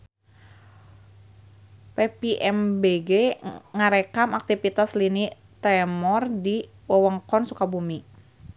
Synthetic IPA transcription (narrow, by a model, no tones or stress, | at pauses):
pepiʔɛmbeɡeŋaɾekamak̚t̪ifit̪aslini | t̪ɛmɔrdi | wɔwɔŋkɔnsukabumi